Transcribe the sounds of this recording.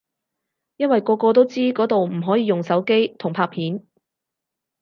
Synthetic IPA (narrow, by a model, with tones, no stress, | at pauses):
jɐ˥nwɐ˨jkɔː˧kɔː˧t̪̬o˥wt͡siː˥kɔː˨˥t̪o˨wm̩˨˩ɦɔː˨˥jiː˨˧jʊ˨ŋsɐ˨˥wke˥jt̪ʰʊ˨˩ŋpʰaː˧˥pʰiː˨˥n